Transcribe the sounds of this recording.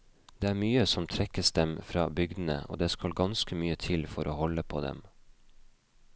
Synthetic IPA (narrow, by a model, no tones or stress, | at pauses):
d̪eːæːmyːəsɔmt̪ʰɾɛkəsd̪ɛmfɾɑ̰ːbʏɡd̪n̩ə̰ʔo̰ːd̪eːskɑlɡɑnskəmyːət̪ʰɪlfɔɾʔoːhɔləpʰo̰ːd̪ɛ̰m